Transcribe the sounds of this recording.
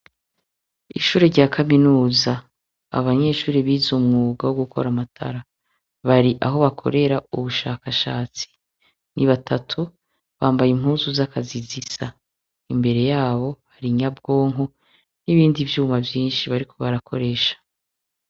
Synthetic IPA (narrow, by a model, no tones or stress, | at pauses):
ḭʃuːɾeɾɟaːkʰaminuːza | a̰βaɲe̞ːʃuːɾeβiːzumŋuːɡawoɡukʰo̞̰ɾamatʰa̰ɾa | βaɾiʔaɦo̞βakʰo̞̰ɾe̞ɾauβuʃaːkaʃaːt͡si̥ | niβatʰatʰu | βaːmbajim̥uːzuzakʰazizisa | imbe̞ɾe̞jaːβo̞haɾiɲabɡo̞ːŋɦo̞ | niβiːndivjuːmavjiːnʃiβaɾikʰo̞βaɾakʰo̞ɾe̞ːʃḁ